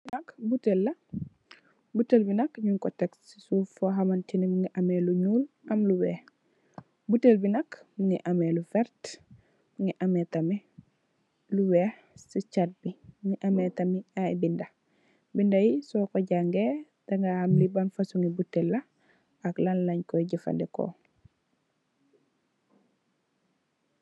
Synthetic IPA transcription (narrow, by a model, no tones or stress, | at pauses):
nɐkbutelːɐ | butːelbinɐkɲuŋkɔtɛksisufɔɦɐmɐntinimuŋɡiʔɐmeluɲuːl | ʔɐmluwɛːx | butelbinɐkmuŋiʔɐmɛlufɛɾt | buŋiʔɐmɛtɐmi | luwɛːh | sicat̚bimuŋiʔɐmɛtɐmiajbindɐ | bindɐjisɔkɔɟaŋɡe | d̥ɐŋɡahamlibɐnfɐsuŋibutːelːɐ | ɐklanlɐɲkɔjɟifɐ̰ndɛkɔ̰